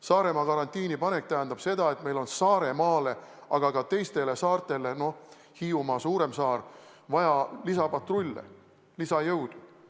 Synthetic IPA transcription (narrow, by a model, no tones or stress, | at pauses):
sɑːɾe̞mɑkɑɾɑnt̪iːnipɑne̞k̚t̪æɦænd̪ɑb̥se̞d̪ɑe̞t̪me̞jlo̞nsɑːɾe̞mɑːle̞ɑɡ̥ɑkɑt̪e̞jst̪e̞le̞sɑːrt̪ˑe̞le̞no̞ | hiːumɑsuːɾe̞msɑːr | vɑjɑlisɑpɑt̪rulʲːḛ | lisɑjɤwd̪̥u